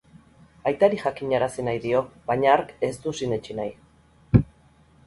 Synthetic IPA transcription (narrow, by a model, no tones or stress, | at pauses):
ajt̪aɾixakiɲaɾasinajðio̞βaɲaaɾke̞st̪usinet͡ʃinaj